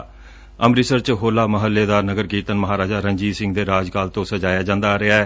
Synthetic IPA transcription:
əmɾɪsəɾt͡ʃɦoːlaːməɦəlːeːd̪aːnəɡəɾɡiːt̪ənməɦaːɾaːd͡ʒaːɾəɲd͡ʒiːsɪ̃ŋɡd̪eːɾaːd͡ʒkaːlt̪õːsəd͡ʒaːjaːd͡ʒãːnd̪aːɾɪaːɛː

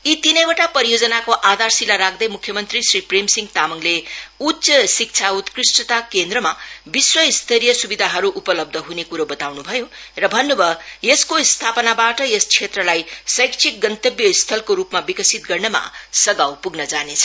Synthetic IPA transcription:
it̪inʌjwaʈapʌɾijod͡zʌnakoʔad̪arsilaɾak̚ʰd̪ʌjmukʰjʌmʌnt̪risripremsiŋɡt̪amʌŋleutsʌsik̚t͡sʰaut̪krisʈʌt̪akend̪rʌmabiswʌist̪ʰʌɾijʌsubid̪ʱaɦʌɾuʔːpʌlʌb̚d̪ʱʌɦunekuɾobʌt̪awnubʱʌjo | rʌbʱʌnːubʱʌjeskost̪ʰapʌnabaʈʌjest͡sʰet̪rʌlajsʌjkt͡sʰik̚ɡʌnt̪ʌbjʌst̪ʰʌlkoɾupmabikʌsit̪̚ɡʌrnʌma̰sʌɡawpuɡnʌd͡zanet͡sʰʌ̥

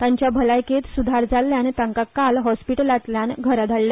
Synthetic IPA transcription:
t̪ãɲt͡ɕjabʱəlajket̪sud̪ʱaɾd͡zalːjãnit̪ãŋkakalɦɔspiʈəlat̪ljanɡʱəɾad̪ʱaɭːja

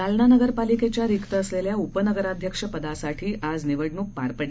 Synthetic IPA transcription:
alnanəɡəɾpaliket͡ɕjaɾikt̪əːsleljaupənəɡəɾad̪ʱjəkʂəpəd̪asaʈʰiːʔad͡zniʋəɽɳuːk̚paɾpəɽ

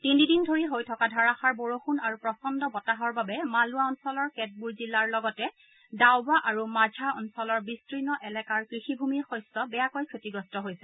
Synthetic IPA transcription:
tinidindʱoɹiɦojtʰɔkadʱaɹaxaɹboɹoxunaɹupɹɔsɔndɔbɔtaɦɔɹbabɛmaluaɔnsɔlɔɹkɛt̚buɹzilːaɹlɔɡɔtɛ | dawbaʔaɹumazʱaɔnsɔlɔɹbistɹinɔʔɛlɛkaɹkɹixibʱumiɹxɔjsɔbɛjakojkʰɹetiɡɹɔstɔɦojsɛ

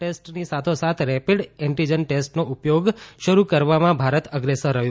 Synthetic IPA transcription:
ʈesʈnisat̪ʰosat̪ʰɾɛpiɽɛ̃ɳʈid͡ʒənʈesʈnoʔupjoɡʃəɾukəɾʋamãbʱaɾət̪əɡɾesəɾːəɦjõ

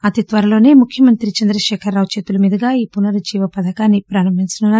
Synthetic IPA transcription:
ɐt̪it̪ʋɐɾɐlo̞ːne̞ːmukʰjɐmɐnt̪ɾit͡ʃɐnd̪ɾɐʃɛːkʰɐɾːaːʋt͡ʃeːt̪ulɐmiːd̪ɐɡaːiːpunɐɾud͡ʒiːʋɐpɐd̪ɐkaːnːipɾaːɾɐmːint͡ʃɐnuna

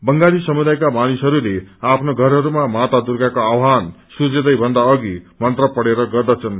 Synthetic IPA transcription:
bʌŋɡalisʌmud̪ajkamanisɦʌɾuleapʰnoɡʱʌɾɦʌɾumamat̪ad̪urɡakoawɦansud͡zed̪ʌjbʱʌnd̪aʌɡimʌnt̪rʌpʌɽeɾʌɡʌrd̪ʌt͡sʰʌn

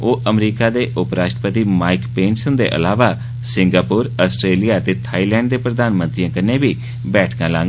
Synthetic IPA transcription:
oːʔəmɾiːkaːd̪eːʔʊpɾaːʃʈɾəpət̪iːmaːɪkpẽːnsənd̪ḛːʔə̰laːʋaː | sɪŋɡaːpʊːɾəːsʈɾeːlijaːət̪eːt̪ʰaːiːlɛ̃ːɳɖd̪eːpɾəd̪aːnmənt̪ɾijãːkəneːbiː | bɛːʈʰkãːlãːŋɡ

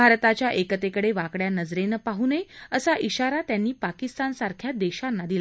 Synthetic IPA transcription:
bʱaɾt̪at͡ɕjaʔekət̪ekəɽeʋakɽjanəd͡zɾenəpaɦuneəsaʔiɕaɾat̪janːiːpakist̪ansaɾkʰjad̪eɕanːad̪ila

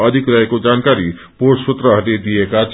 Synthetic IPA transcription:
ʌd̪ʱikɾʌɦekod͡ʒankaɾi | posut̪ɾəɦʌt̪ed̪iekat͡ʃʰ

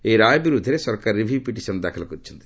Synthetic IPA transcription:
eɾajɔbiɾud̪ʱːɔɾesɔɾkaɾɾibʱipiʈisɔnud̪akʰɔlɔkɔɾit͡ʃʰɔnt̪i̥

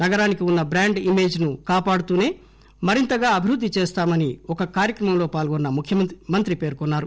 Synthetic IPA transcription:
nɐɡɐɾaːnikiunːɐbɾaːɳɖime̞ːd͡ʒnukaːpaːɽut̪uːne̞ː | mɐɾint̪ɐɡaːɐbʱiɾud̪ʱːit͡ʃeːst̪aːmɐniɔkɐkaːɾjɐkɾɐmɐmlo̞ːpaːlɡɔnːɐmukʰjɐmɐnt̪ɾipe̞ːɾkɔnːaːɾu

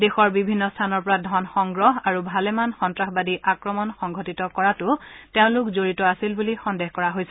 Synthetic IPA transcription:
dexɔɹbibʱinːɔstʰanɔɹpɔɹadʱɔnxɔŋɡɹɔɦaɹubʱalɛmanxɔntɹaxbadiʔakɹɔmɔnxɔŋɡʱotitɔkɔɹatʊteʊ̃lʊkzoɹitɔasilbulixɔndexkɔɹaɦojsɛ̥

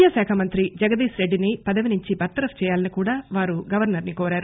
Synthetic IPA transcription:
jaːsaːkʰɐmɐnt̪ɾid͡ʒɐɡɐd̪iːsɾe̞ɖːinipɐd̪ɐʋinuɲt͡ʃibɐɾt̪ɐɾɐft͡ʃɛːjaːlɐnikuːɽaːʋaːɾuɡɐʋɐɾnɐɾnikoːɾaːɾu

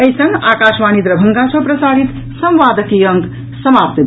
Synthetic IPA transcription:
ʌjsʌŋɡakasmanid̪ɾʌbʱʌŋɡasʰʌprʌsaɾit̪ | sʌmʋaːd̪ʌkijʌŋɡ | sʌmap̚t̪b

